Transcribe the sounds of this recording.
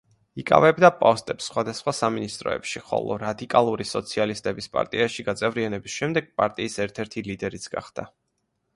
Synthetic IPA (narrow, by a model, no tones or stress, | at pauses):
ikʼa̰vɛbd̪apʼɔst̪ʼɛpsːχwad̪asχwasaminist̪ʼɾɔ̰ɛ̰pʃiχɔ̰lˠɔ̰ɾad̪ikʼalˠuɾisɔt̪sʰialist̪ʼɛbispʼa̰ɾt̪ʼiaʃiɡat̪sʼɛvɾianɛbisʃɛmd̪ɛɡ̥̚pʼaɾt̪ʼiːsɛɾt̪ʰɛɾt̪ʰilid̪ɛɾit̪sʰɡa̰χd̪̥a̰